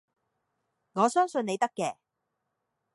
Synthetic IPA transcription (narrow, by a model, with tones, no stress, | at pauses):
ŋɔː˨˧sœː˥ŋsɵ˨˧ne˨˧jt̪ɐ˥kːɛː˧